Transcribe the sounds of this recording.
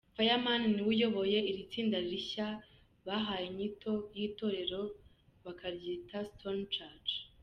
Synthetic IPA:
fajamaniniwujo̞βo̞je̞iɾit͡siːndaɾiɾiça | βaɦaːjeɲitʰo̞jiːto̞ːɾe̞ɾo̞ | βakʰaɾɟiːtastʰont͡ʃad͡ʒ

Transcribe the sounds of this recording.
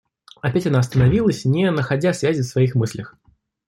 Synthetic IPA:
ɐpʲætʲɐnaɐst̪ənɐvʲilˠəsʲnʲɪnəxɐdʲasvʲæzʲɪfsvɐixmɨsʲlʲəx

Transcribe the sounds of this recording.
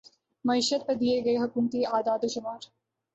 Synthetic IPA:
mɐiːʃət̪̚pɐɾd̪ieɡɐeɦʊkuːmt̪iaːd̪aːd̪oʃʊmaːɾ

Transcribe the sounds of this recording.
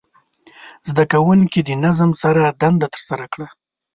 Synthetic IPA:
zd̪akawunkid̪ənazmsaɾad̪and̪at̪ə̥ɾsaɾakɽa

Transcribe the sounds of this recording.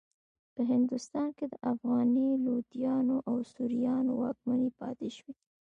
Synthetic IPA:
pəɦɪnd̪ʊst̪ɑnked̪əʔafɣɑnilod̪ijɑnoʔawsuɾijɑnowɑk̚manipɑ̰t̪eʃwi

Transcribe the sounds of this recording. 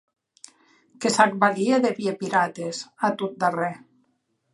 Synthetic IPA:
kesak̚balieðeβiepiɾat̪ezat̪ut̪̚d̪arɛ

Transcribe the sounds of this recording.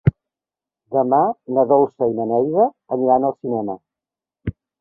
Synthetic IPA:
d̪əmanəðolˠsəinənɛjðə | əniɾanəlˠsinɛmə̰

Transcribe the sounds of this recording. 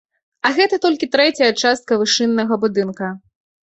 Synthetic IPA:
ɐɣɛt̪ɐt̪ɔlʲkʲit̪ɾɛt͡sʲɐjɐt͡ʂast̪̚kɐvɨʂɨnːɐɣɐbud̪ɨnkɐ

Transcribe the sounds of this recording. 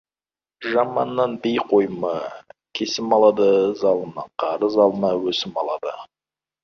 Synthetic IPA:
ʒɑmɑ̰nːɑnbejqʰo̞jmɑkʲʰe̞sɪmɑlˠɑd̪əzɑlˠənɑqʰɑɾəzɑlˠənɑwɵsɪmɑlˠɑ̰d̪ə

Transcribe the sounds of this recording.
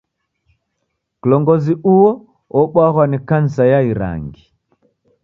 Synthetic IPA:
kulɔŋɡɔziʔuwɔ | ɔɓwaɣwanikan̩sajaiɾa̰ŋɡi

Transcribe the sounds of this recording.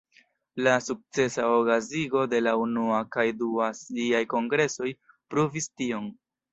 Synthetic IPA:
lasuk̚t͡se̞saokaziɡo̞de̞launuakajduasliajko̞ŋɡɾe̞so̞j | pɾuvistio̞n

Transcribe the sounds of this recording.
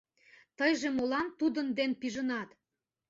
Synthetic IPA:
t̪əjʒemolɑnt̪ud̪ənd̪enpiʒənɑt̪

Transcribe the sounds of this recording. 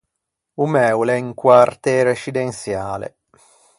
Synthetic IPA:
umɛwlɛiŋkwart̪ɛɾeʃid̪ensjaːlḛ

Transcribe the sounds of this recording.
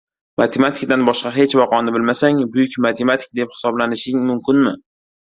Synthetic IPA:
mat̪ʰe̞mat̪ʰɪ̥k̚ʲd̪anbɒʃqɑɦet͡ʃvɒqʰɒnɪbɪlmasaŋbʊjɪkʲmat̪ʰe̞mat̪ʰɪ̥k̚d̪e̞p̚hɪ̥sɒblanɪʃɪŋmʊmkʲɪnmɪ

